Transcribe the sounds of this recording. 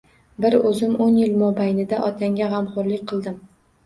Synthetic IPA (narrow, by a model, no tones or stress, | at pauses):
bɪɾɵzɪmonjɪlmɒbajnɪd̪aʔɒt̪̚ʲaŋɡʲaʁɑmqʊɾlɪkʲqʰɨlˠd̪ɪm